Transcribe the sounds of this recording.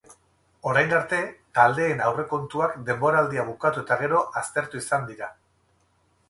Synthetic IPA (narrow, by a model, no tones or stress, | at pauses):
o̞ɾajnɡaɾt̪e̞t̪ald̪e̞ːnawre̞ko̞nt̪uakd̪e̞mbo̞ɾaːld̪iaβ̞ukat̪ue̞t̪aɣ̞e̞ɾo̞ʔast̪e̞ɾt̪uisand̪iɾa